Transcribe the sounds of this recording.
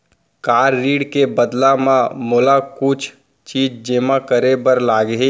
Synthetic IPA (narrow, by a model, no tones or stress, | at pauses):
kaːɾːiːɽkebəd̪lamãmoːlakʊt͡ʃʰ | t͡ʃiːd͡ʒd͡ʒemakəɾebəɾlaːɡɦe